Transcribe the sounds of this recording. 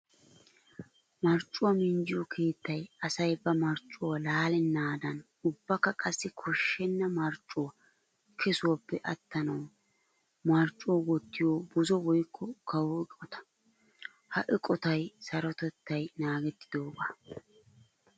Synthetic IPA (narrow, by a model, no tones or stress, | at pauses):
mɐɾt͡ʃʼːʊwɐmɪnd͡ʒɪjɔkʰe̞ːt̪ːɐjɐsɐjbɐmɐɾt͡ʃʼːʊwɐlaːlɪnaːd̪ɐn | ʊbːɐkːɐkʼɐsːɪkʰɔʃːɛnːɐmɐɾt͡ʃʼːʊwɐ | kʰɛsʊwɐpːɛʔɐt̪ːɐnɐw | mɐɾt͡ʃʼːʊwɐwɔt̪ːɪjobʊzɔwɔjkʰːɔkɐwɔɪkʼɔt̪ɐ̥ | hɐʔɪkʼɔt̪ɐjsɐɾɔt̪ɛt̪ːɐjnaːɡɛt̪ːɪ̥d̪o̞ːɡaː